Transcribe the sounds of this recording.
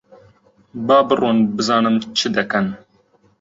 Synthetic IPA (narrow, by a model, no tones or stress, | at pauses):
bɑːbɨrunbɨzɑːnɨmt͡ʃʰɨd̪ɛkɐn